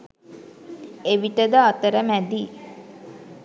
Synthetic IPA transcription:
eʋiʈəd̪əat̪əɾəmæd̪iː

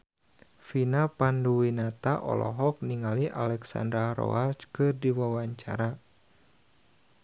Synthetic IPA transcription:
finapanduwinat̪aʔɔ̰lɔ̰ɦɔk̚niŋaliʔa̰lɛksa̰ndɾaɾɔ̰at͡ʃkɨrdiwawaɲt͡ʃa̰ɾa

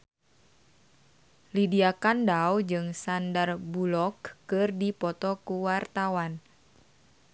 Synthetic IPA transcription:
lidiakandawd͡ʒɨŋsandarbulɔkːɨrdipɔt̪ɔkuwart̪awan

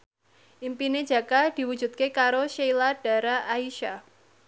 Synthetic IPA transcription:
ʔimpine̥d͡ʒa̤kad̥i̤wu̥d͡ʒ̥ṳt̪̚kekaɾoʃejlad̥a̤ɾaʔaiʃa

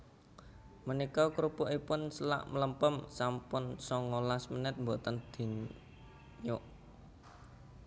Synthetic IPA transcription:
mənikɔkɾupʊʔipʊnsəla̰ʔmələmpəmsampʊnsɔŋolasmənɛt̪̚mbot̪ənd̪̥i̤ɲ | ɲʊʔ

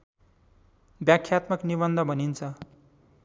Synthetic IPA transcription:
bjakʰjat̪mʌknibʌnd̪ʱʌbʱʌnint͡sʰʌ

